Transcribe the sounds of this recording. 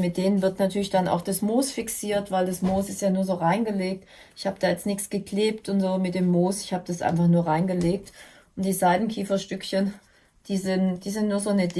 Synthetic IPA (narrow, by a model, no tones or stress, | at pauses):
mɪt̚d̥eːnənvɪɐtnatʰyːɐlɪçd̥ana̰ʊxd̥asmoːsfɪksiːɐtv̥aɪldasmoːsɪstjaːnuːɐzoːʁaɪnɡəleːk̚t | ʔɪçhaːbəd̥aːjɛt͡stnɪksɡ̥əkleːp̚tʊntz̥oːmɪtd̥eːmːoːsɪ̥çhaːbəd̥asʔa̰ɪnfaχnuːɐʁaɪnɡəleːk̚t | ʔʊnt̚d̥iːzaɪdn̩kʰiːfɐʃtʏkçən | d̥iːzɪnd̥iːzɪntnuːɐzoːnəd